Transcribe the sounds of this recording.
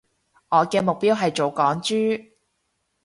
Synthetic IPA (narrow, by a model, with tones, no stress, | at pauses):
ŋɔː˨˧kɛː˧mʊ˨k̚piː˥wɦɐ˨jt͡ʃo˨wkɔː˨˥ŋt͡ʃyː˥